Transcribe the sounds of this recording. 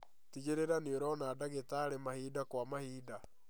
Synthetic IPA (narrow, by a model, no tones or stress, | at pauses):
tiɣeɾeɾaneoɾɔnadaɣetaːɾemahiːdakwamahiːda